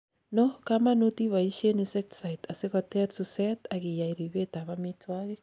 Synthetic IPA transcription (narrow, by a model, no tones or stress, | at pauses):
nokamanutiβaiʃenisek̚tsaitaseɣoteɾsusetaɣijaiɾiβetaβamitwaɣe